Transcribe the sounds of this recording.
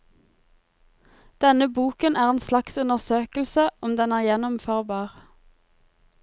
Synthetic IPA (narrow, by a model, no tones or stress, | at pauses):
d̪̥ɛnəbuːkənæːʁeːnslɑksʉnəʁsøːkəlsəʔɔmd̪ɛnæːʁjɛnɔmføːʁbɑːʁ